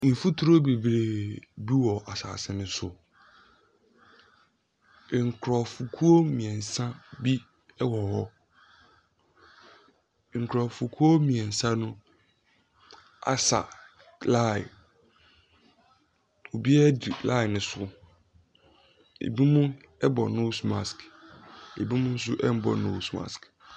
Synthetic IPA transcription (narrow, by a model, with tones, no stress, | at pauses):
n̩˨fu˦tʰu˦ɾo˦be˨bɾe˨bi˦wɔ˨ʔa˨sa̰ː˨sɛ̃˨mɪ̃˨sʊ˨ | ŋ̩˨kʰɾɔ˨fu˨kʰu˦o˦mĩ˨ɛ̃˨n̩˨sã˦bi˦ | wɔ˨hɔ˦˨ | ŋ̩˨kʰɾɔ˨fu˨kʰu˦o˦mĩ˨ɛ̃˨n̩˨sã˦nʊ̃˦ | a̰˨sa̰˨ | la̰˦˨ | o˨bi˦ɛ˦di˨la˦˨nɪ̃˨sʊ˦ | ḛ˨bi˦mũ˦ | ɛ˦bɔ˨nõ˦smã˨sk | ḛ˨bi˦mʊ̃˦n̩˦s̬ʊ˦ʔɛ˦m˦bɔ̰˨no˦˨smã̰˨sk